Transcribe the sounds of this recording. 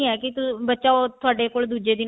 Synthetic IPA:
ĩːɦɛːkɪt̪bətːʃaːot̪ʰʊaːɖeːkoːld̪uːd͡ʒeːd̪ɪn

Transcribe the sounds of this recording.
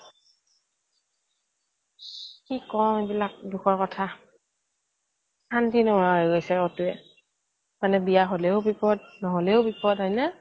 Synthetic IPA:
kikɔmebilak̚duxɔɹkɔtʰa | antʰinɔajɡojsɛotuɛ | manɛbijaɦolɛʊbipɔd̚nɔɦolɛʊbipɔtɦɔjnɛ

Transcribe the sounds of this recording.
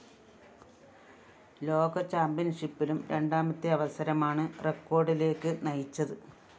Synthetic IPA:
lo̞ːɡɐt͡ɕaːmbjɐnʂipːilumɾe̞̰ɳɖaːmɐt̪ːiɐʋɐsɐɾɐmaːɳɨrekːo̞ːrɖile̞ːkːɨnɐjit͡ɕːɐðɨ

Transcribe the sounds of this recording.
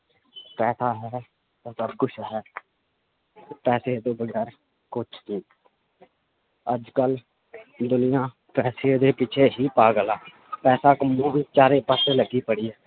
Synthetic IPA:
pɛːsʰaːɦɛː | t̪ãːsəbkʊt͡ʃʰɦɛː | pɛːseːt̪õːbəɡɛːɾ | kʊt͡ʃʰt̪iː | əd͡ʒkəl | d̪ʊnɪjãː | pɛːseːd̪eːpɪt͡ʃʰeːɦiːpaːɡəlaː | pɛːsaːkəmõːʋiːt͡ʃaːɾeːpəseːləɡiːpəɽiːɛː

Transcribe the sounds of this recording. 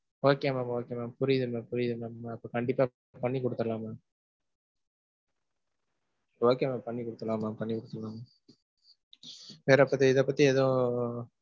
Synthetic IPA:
oːkːeamaːmoːkːjamaːpʊɾɪðɯmapʊɾɪjðɯmamamaːpːɐkɐɳɖɪpːaː | pɐɳːikɔɽɯt̪ːɐlaːmaː | oːkeamapɐɳːikɔɽɯt̪ːɐlãːmaːpɐɳːikɔɽɯt̪ːɐlaːma | ʋeːɾɛpːɐt̪̬ːiɪðɐpːɐt̪ːiɛðɐ̃

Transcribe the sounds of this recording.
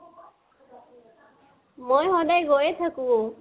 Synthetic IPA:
mojɦɔdajɡojet̪ʰaku

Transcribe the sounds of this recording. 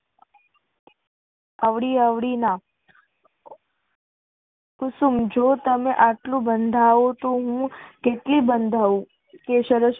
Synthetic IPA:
əʋɽiəʋɽina | ʊsumd͡ʒot̪əmeʔaʈlũbənd̪ʱaot̪oɦũkeʈlibənd̪ʱaʋũ | keʃəɾəʃ

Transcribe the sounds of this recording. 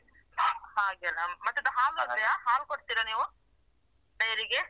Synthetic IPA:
haːɡeɐlɐmɐt̪ːed̪ɐɦaːlɐɐjaɦaːlkoʈt̪iɾɐniːʋu | bɐjɾiɡe

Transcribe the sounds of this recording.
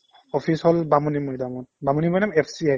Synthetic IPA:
ɔpʰishɔlbamunimɔjdamɔn̚bamunimɔjdamɛpʰsia

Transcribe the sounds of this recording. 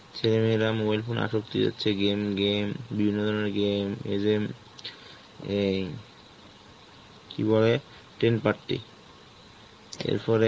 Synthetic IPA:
t͡ɕʰelemeɾamobajlpʰonʔa̰ʃok̚t̪ḭd͡ʑa̰tːɕʰeɡemɡembibʱinːod̪ʱɔɾneɾɡemḛd͡ʑem | kḭbole | ʈɾenpaɾʈːḭ | ḛɾfɔɾe

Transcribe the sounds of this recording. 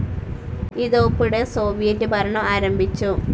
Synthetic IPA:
iðopːuɽeso̞ːʋijɐtːɨbʱɐɾɐɳɐmaːɾɐmbʱit͡ɕːu

